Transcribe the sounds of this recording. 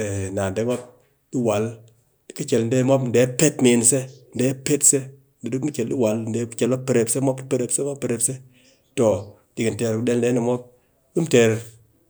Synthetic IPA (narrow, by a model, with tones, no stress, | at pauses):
e˨na˨n˨de˨˦mo˦p̚ | di˦wa˨l | i˨˦ki˦t͡ʃe˨ln̩˦de˦mo˦pn̩˨de˨˦pe˦tme˨nse˦n̩˨de˨˦pe˦tse˦ | n̩˨de˨di˦ku˦t͡ʃe˨lɗi˦wa˨ln̩˨e˨˦kt͡ʃe˨lo˦pe˨ɾe˨pse˦mɔ˦p̚i˦pe˦ɾe˨pse˦mo˦ppe˨ɾe˨pse˦ | to˨ | di˨ki˨nte˨ɾkde˦ln̩˦de˦ni˨mɔ˦p̚ | ki˦mte˨ɾ